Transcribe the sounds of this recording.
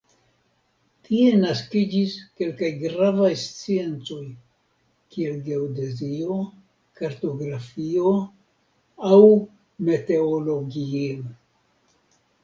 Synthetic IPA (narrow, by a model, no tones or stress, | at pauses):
tʰie̞naskid͡ʒiske̞lkajɡɾavajst͡sie̞nt͡so̞j | kie̞lɡe̞wdezio̞ | kaɾto̞ɡɾafio | aw | me̞te̞olo̞ɡiel